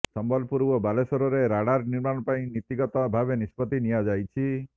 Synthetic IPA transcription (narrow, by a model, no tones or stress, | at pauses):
sɔmbɔlpuɾbɔbalesɔɾɔɾeɾaɽaɾniɾmanɔpaĩnit̪iɡɔt̪ɔbʱabenispɔt̪inijad͡ʒajt͡ʃʰi